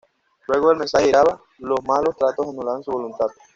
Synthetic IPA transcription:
lwe̞ɣoðe̞lmensaheɾaβa | lozmalo̞st̪ɾat̪osanulaβansuβo̞lunt̪að

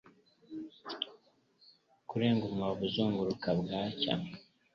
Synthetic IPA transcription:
kuɾeːŋɡumwaβuzuːŋɡuɾukabɡaːca̰

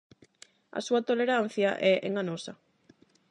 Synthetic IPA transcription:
ɐ̰suat̪oleɾan̟θjɐaʔɛʔḛŋanɔsɐ

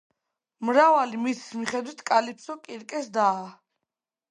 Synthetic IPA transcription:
mɾavalimisʰi̥smiχɛd̪wit̪ʰkʼalipʰsɔkʼiɾkʼɛsd̪aː

